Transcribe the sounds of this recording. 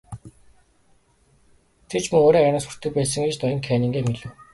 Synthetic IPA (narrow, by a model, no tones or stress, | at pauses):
t̪ʰet͡ɕmɵŋoːɾiːæɾə̆nsu̥r̥t̪ɘ̆k̚pæːs̬ə̆ŋɡet͡ɕt̪ɔjɪ̆ŋkʰæːnĭŋɡeːmeɮɘ̆w